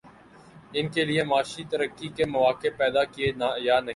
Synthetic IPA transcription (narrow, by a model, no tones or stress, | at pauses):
ɪnkeliemaːʃit̪əɾəkːikemɐʋaːkepɛːd̪akienaːjaːnɐ